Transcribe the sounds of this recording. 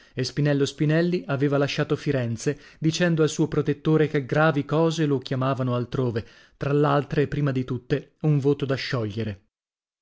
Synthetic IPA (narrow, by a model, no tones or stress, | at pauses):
espinɛlːospinɛlːiʔaveːvalaʃːaːt̪ofiɾɛnt̪se | d̪it͡ʃɛnd̪oalsuːopɾot̪et̪ːoːɾekeɡɾaːvikɔːzelok̟jamaːvanoalt̪ɾoːve | t̪ɾalealt̪ɾepɾiːmad̪it̪ut̪ːeuɱvoːt̪od̪aʃːɔʎːeɾe